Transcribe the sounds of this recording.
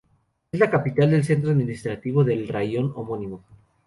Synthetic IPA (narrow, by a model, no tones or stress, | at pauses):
ezlakapit̪ald̪e̞ls̬e̞nt̪ɾoaðmĩnist̪ɾat̪iβo̞ðe̞lrajo̞nomo̞nĩmo̞